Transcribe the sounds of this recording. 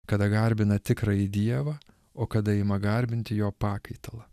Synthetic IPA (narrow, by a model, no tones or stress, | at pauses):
kɐd̪ɐɡɐɾʲbʲɪnɐt̪ʲɪkɾɐid̪ʲiɛʋɐː | oːkɐd̪ɐɪmɐɡɐɾʲbʲɪnʲt̪ʲɪjoːpɑːkɐɪt̪ɐlˠɐ